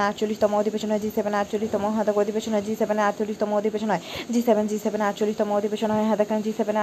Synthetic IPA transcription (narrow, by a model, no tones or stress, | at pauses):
aʈt͡ɕolːiʃt̪ɔmood̪ʱibeʃonɦɔed͡ʑisebenaʈt͡ɕolːiʃt̪ɔmoɦɔ̃d̪akoɾod̪ibeʃʰonɦɔed͡ʑisebenaʈ̚t͡ɕolːiʃt̪ɔmood̪ʱibeʃʰonɦɔed͡ʑisebend͡ʑisebenaʈ̚t͡ɕolːiʃt̪ɔmood̪ibeʃonɦɔeɦɛ̃d̪akad͡ʑiseben